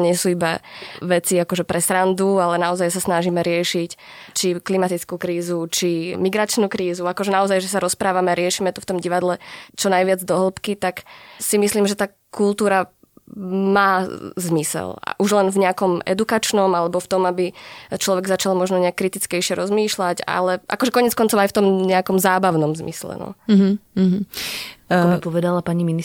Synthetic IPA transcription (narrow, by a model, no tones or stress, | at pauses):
ɲɪɛsuːiba̰ʋɛt͡siakɔʒɛpɾɛsɾand̪ualɛnaɔzajsasnaʒimɛɾɪɛʃict͡ʃiklimat̪it͡skuːkɾiːzut͡ʃimiɡɾat͡ʃnuːkɾiːzuakɔʒɛnaɔzajʒɛs̬aɾɔspɾaːʋamɛaɾɪɛʃiːmɛt̪uft̪ɔmɟiʋad̪lɛt͡ʃɔnajʋɪad͡zd̪ɔɦl̩ˠpkit̪aksimisliːmʒɛt̪aː | kulˠt̪uːɾa | maːzmisɛ̰la̰ʔuʒlɛnvɲɛakɔmɛ̰d̪ukat͡ʃnɔmalɛbɔft̪ɔmabit͡ʃlɔʋɛɡzat͡ʃalmɔʒnɔɲɛakːɾit̪it͡skɛjʃɪɛɾɔzmiːʃlaɟa̰lɛʔa̰kɔʒɛkɔɲɛt͡skɔnt͡sɔʊajft̪ɔmɲɛakɔmzaːbaʊnɔmzmḭslɛ̰nɔ̰ɦ | mipɔʋɛd̪alapaɲimini